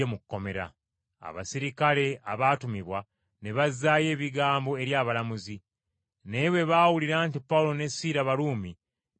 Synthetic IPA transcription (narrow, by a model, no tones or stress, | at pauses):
emukkːo̞me̞ɾa̰ | a̰βa̰siɾikale̞aβaːtumiβwa | ne̞βazːaːje̞ːβiɡaːmbo̞e̞ɾjaːβalamuzi | ne̞ːβwe̞βaːwuliɾaːntipːaulo̞ne̞siːɾaβaluːmi